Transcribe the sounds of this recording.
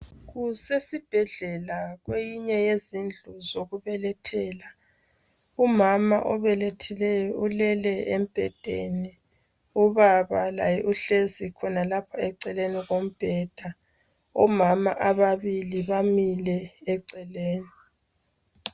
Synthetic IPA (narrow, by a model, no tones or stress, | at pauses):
ɣusesib̥ʱɛɮɛlaɣwejiɲɛjezind͡ɮʱuzoɣuβɛlɛtʰɛːla | umama̰ʔɔβɛlɛtʰɛlɛjɔulɛlɛem̩b̥ʱɛ̰d̥ʱḛni | uβaβala̰jɛʔuɬezikʰɔnalapʰaɛǀɛleniɣom̩b̥ʱɛd̥ʱa | ɔmama̰ʔaβaβiliβamilɛːǀɛleːni